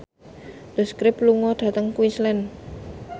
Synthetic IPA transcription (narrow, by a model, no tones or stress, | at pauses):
d̪̥ə̤skɾɪpluŋɔɖ̪̥a̤t̪əŋkuwinslɛn